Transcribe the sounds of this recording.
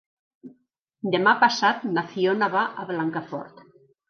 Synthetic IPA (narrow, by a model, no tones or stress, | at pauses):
d̪emapasat̪̚naθionaβaʔaβlaŋkafɔ̰ɾt̪